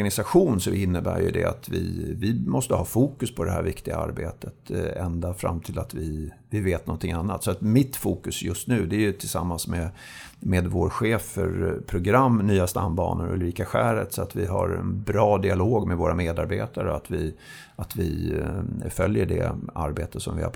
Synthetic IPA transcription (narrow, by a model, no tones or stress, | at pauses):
ɡanɪsaɧuːnsɔɪnːəbæ̰ːɾjɵ̰d̪ɛ̰a̰t̪vɪvɪmɔst̪əhɑːfuːkɵspʰɔd̪ɛhæ̰ːɾvɪkt̪ɪɡaa̰ɾbeːt̪ʰət̪ɛnd̪afɾa̰mt̪ʰɪlat̪vɪvɪveːt̪nɔnt̪ʰɪŋanːat̪sɔat̪mɪt̪fuːkɵsjɵst̪nʉ̟ːd̪ɛæjɵt̪ʰɪlsamːansmɛ | meːd̪voːɾɧeːfœɾpʰɾʊɡɾamːnyːast̪amːbɑ̰ːnəɾɵ̰lɾiːkaɧæːɾət̪sɔat̪vɪɦaɾɛnbɾɑːd̪ɪaloːɡmɛvoːɾameːd̪aɾbeːt̪aɾəat̪vɪ | at̪vɪ | fœljəɖɛ̰a̰ɾbeːt̪ət̪sɔmvɪ̰ha̰